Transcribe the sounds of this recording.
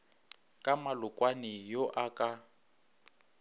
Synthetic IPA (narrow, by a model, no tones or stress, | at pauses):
kʼamalʊkʼwanɪjoʔakʼa